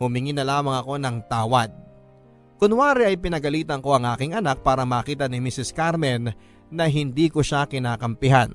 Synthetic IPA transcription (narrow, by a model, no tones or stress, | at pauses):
hʊmɪŋinɐlaːmɐŋɐko̞nɐŋt̪aːwɐd̪̚ | kʊnwaːɾɛʔɐjpɪnɐɡɐliːt̪ɐŋko̞ʔɐŋʔaːkɪŋʔɐnak̚paːɾɐmaːkiːt̪ɐnɪmisɪskaɾmɛnː | ɐɦɪnd̪iːkoʃakɪnaːkɐmpɪɦan